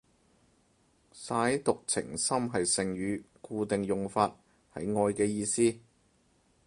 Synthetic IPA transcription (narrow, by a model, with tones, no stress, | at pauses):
saː˨˥jt̪ʊ˨k̚t͡sʰɪ̰˨˩ŋsɐ˥mɦɐ˨jsɪ˨ŋɥyː˨˥ | kuː˧t̪ɪ˨ŋjʊ˨ŋfaː˧t̚ | hɐ̰˨˥jŋɔː˧jkɛː˧jiː˧siː˥